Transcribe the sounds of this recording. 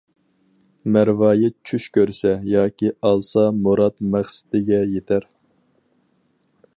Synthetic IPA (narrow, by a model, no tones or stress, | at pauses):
mæɾvɑːjɪt͡ʃʰyʃkʲøɾsɛjɑːkʲʰiɑlˠsɑmoɾɑt̪mæχsɪ̥t̪ɪɡʲɛjet̪ʰæɾ